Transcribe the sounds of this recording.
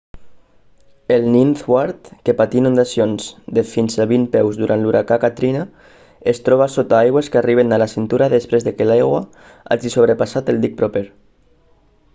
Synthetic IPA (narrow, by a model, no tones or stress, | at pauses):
elninθwaɾt̪kepat̪inũnd̪asionzd̪efinsaβimpɛwzðuɾʔant̪luɾakakat̪ɾina | est̪ɾɔβ̞asot̪aajɣweskeariβenalasint̪uɾaðespɾezðekelajɣwa | a̰ʒisoβ̞ɾəpasat̪elˠd̪ik̚pɾopeɾ